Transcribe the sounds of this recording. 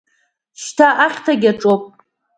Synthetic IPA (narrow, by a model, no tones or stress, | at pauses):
ʃtʰaʔaχʲtʰaɡʲaʈ͡ʂʼopʼ